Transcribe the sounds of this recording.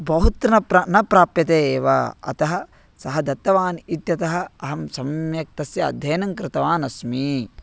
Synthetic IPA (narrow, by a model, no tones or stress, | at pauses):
bɐɦut̪ɾɐnɐpɾɐnɐpɾaːpjɐt̪eːeːʋɐ̰ɐ̰t̪ɐɦɐ | sɐɦɐd̪ɐt̪ːɐʋaːnit̪jɐt̪ɐɦɐ̆ɐɦɐmsɐmjɐk̚t̪ɐsjɐɐ̰d̪ʱːɐːnɐŋkɾɪt̪ɐʋaːnɐsmi